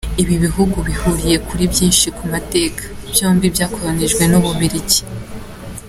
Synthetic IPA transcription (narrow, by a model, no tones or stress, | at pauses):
iβiβiɦuɡuβihuɾije̞kʰuɾibjiːnʃikumate̞ːkḁb̥joːmbibjaːko̞ɾaneʒɡwe̞noβuβiɾici̥